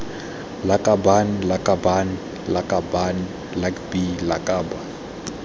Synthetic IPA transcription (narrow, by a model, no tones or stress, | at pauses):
lakʼabanlakʼabani | lakʼaban | lakbilakʼaːba